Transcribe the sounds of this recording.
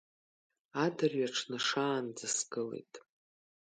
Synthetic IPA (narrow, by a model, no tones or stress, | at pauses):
adarɥaʈ͡ʂʰnɨʂaːnd͡zɨsɡɨlḛjtʼ